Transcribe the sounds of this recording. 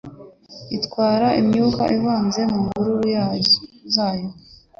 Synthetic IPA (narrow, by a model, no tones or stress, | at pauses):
itkwaːɾaimɲuka̰ʔiβaːnze̞muːŋɡuɾujazaːjo